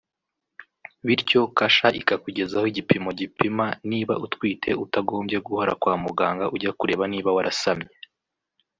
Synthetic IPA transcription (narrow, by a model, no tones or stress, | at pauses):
βiɾco̞kaʃaʔikakuɟe̞zahoiɟipimoɟipimaniːβa̰ʔutkwiːtʰe̞utaɡo̞ːmbje̞ɡuhoɾa̰kwaːmuɡaːŋɡaʔuɟakuɾe̞ːβaniːβawaɾʔasamɲe